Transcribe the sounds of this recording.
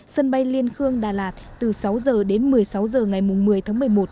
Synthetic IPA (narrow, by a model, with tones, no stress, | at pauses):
sə˧nɓa˧jli˧ənxɨ˧əŋɗaː˨˩laː˨˩t̚t̪ɨ˨˩sa˨˦wzəː˨˩ɗe˨˦nmɨ˨˩əjsa˨˦wzəː˨˩ŋa˨˩jmʊ˨˩ŋ͡mmɨ˨˩əjt̪ʰaː˨˦ŋmɨ˨˩əjmo˨˩t̚